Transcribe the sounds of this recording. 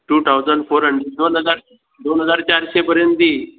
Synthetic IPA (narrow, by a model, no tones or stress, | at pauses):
ʈuːt̪ʰawd͡zəɳɖfoɾɦəɳɖɾeɖd̪onɦəd͡zaɾ | d̪onɦəd͡zaɾt͡ɕaɾɕẽpəɾjə̃nt̪iː